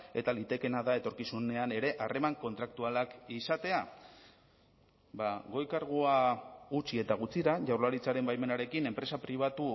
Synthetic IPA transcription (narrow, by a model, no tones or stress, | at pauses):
e̞t̪alit̪e̞ke̞naðae̞t̪o̞ɾkisune̞ane̞ɾe̞ʔare̞maŋko̞nt̪ɾak̚t̪ualakisat̪e̞a | baɣo̞jkaɾɣ̞oaɣut͡sie̞t̪aɣ̞ut͡siɾaʝawɾlaɾit͡saɾe̞mbajme̞naɾe̞kine̞mpɾe̞sapɾiβ̞at̪u